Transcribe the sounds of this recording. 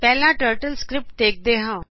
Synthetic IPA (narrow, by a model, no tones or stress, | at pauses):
pɛːlãːʈəːɾʈəlskɾɪp̚ʈ̚d̪eːk̚d̪eːɦãː